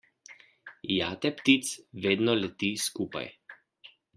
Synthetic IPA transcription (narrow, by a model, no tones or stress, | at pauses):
jaːt̪ɛpt̪it̪sʋeːd̪nɔlɛt̪iskuːpa̰j